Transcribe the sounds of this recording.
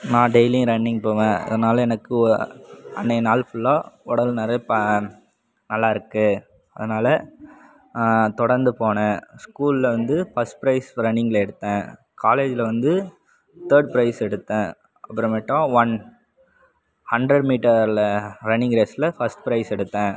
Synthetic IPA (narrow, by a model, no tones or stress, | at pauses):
nãːɖeɪlɪ̃ŋɾɐɳːɪ̃ŋɡ̚poːʋẽːɐ̰ðɐnaːlɐɛnɐkːɯɔ | ɐ̰nːenaːlfʊlːaːɔɽɐlnɐɾɐpɐ | nɐlːaːɪɾɯkːɯ | ɐðɐnaːlɐ | t̪ɔɽɐɾnd̪ɯpoːɳɐ̃skuːllɐʋɐnd̪ɯfɐsʈ̚pɾɐɪsɾɐnːɪŋɡlɐɛɽɯt̪ːẽː | kaːleːd͡ʒɪlɐʋɐnd̪ɯ | t̪əːɾɖ̚pɾɐɪsɛɽɯt̪ːẽː | ɐpːɐɾɐ̃mɐʈːãːʋɐn | hɐɳɖɾɐɖmiːʈɐɾlɾɐnɪŋɡɾeːslɐfɐsʈpɾɐɪsɛɽɯt̪ːãː